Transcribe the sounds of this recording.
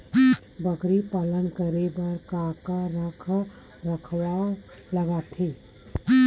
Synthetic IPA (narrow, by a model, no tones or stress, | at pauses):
bəkɾipaːlənkəɾebɐɾkaːkaɾəkʰ | ɾəkʰwa | ləɡat̪ʰeː